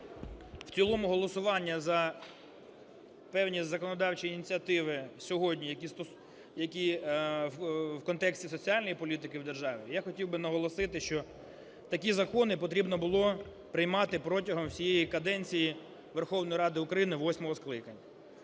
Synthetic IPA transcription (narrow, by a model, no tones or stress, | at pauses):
w̥t͡sʲilˠɔmʊɦɔlˠɔsʊʋɑnʲːɐzɐ | pɛwnʲizɐkɔnɔd̪ɑwt͡ʃiːnʲit͡sʲiɐt̪ɪʋɪsʲɔɦɔdʲnʲijɐkʲist̪ɔ | jɐkʲi | wkɔnt̪ɛksʲtʲisɔt͡sʲiɑlʲnɔjipɔlʲit̪ɪkɪwd̪erʒɑʋʲijaxɔtʲiwbɪnɐɦɔlˠɔsɪt̪ɪʃt͡ʃɔ | t̪ɐk̬ʲizɐkɔnɪpɔt̪ɾʲibnɔbʊlˠɔ | pɾɪjmɑt̪ɪpɾɔtʲɐɦɔmsʲijejikɐd̪ɛnʲt͡sʲiji | ʋerxɔwnɔjiɾɑd̪ɪʊkɾɐjinɪʋɔsʲmɔɦɔsklˠɪkɐnʲːɐ